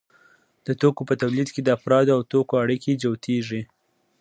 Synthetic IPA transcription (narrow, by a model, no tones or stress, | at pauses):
d̪̥ət̪okopət̪awlid̪ked̪əafɾɑd̪awt̪okoaɽiked͡ʒawt̪ʰeʐi